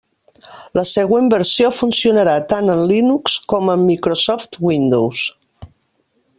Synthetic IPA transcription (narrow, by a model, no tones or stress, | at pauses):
ləsəɣ̞wembəɾsiofunsiunəɾat̪anənlinukskɔməmːikɾosɔft̪wind̪ows